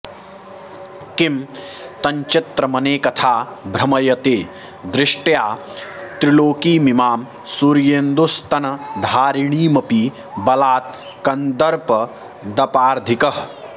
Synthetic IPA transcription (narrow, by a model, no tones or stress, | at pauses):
kim | t̪ɐɲt͡ʃɪt̪ɾɐmɐneːkɐt̪ʰaːbʱɾɐmɐjɐt̪eː | d̪ɾɪʂʈjaː | t̪ɾɪloːkiːmimaːm | suɾjeːnd̪ust̪ɐnɐd̪ʱaːɾiɳiːmɐpiː | bɐlaːt̪̚ | kɐnd̪ɐɾpɐ | d̪ɐpaːɾd̪ʱikɐɦ